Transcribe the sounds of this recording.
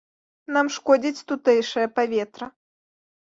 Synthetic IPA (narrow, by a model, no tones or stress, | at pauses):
namʂkɔd͡zʲit͡sʲt̪ut̪ɛjʂɐjɐpavʲɛt̪ɾɐ